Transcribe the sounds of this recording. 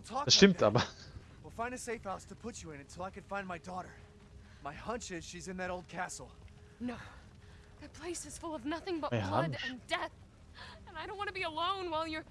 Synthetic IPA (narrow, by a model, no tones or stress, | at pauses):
lˠtʰɔkəʃɪ̃mta̰b | wilˠfãɪ̃ndɨseɪfhaʊstʰəpʰʊt͡ʃɨɨ̃nɨ̃ntʰɪlˠaɪkɨnfãɪ̃nmaɪdɔɾə˞ | maɪhʌ̃nt͡ʃɪz̥ʃizɨ̃nðɨɾoʊlˠd̚kʰæsl̩ˠ | noʊ | ðɨpʰl̥eɪsɨz̥fʊlˠʌvnʌθɪ̃ŋbʌtlʌɾɨ̃ndɛθ | ɨ̃naɪɾõʊ̃nʔwɑ̃nəbiəlõʊ̃nwaɪlˠjə˞